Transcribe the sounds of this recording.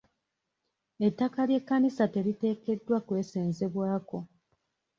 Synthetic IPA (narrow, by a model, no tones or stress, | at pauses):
e̞tːakalje̞kːanisate̞lite̞ːke̞dːwakwe̞ːseːnze̞βwaːko̞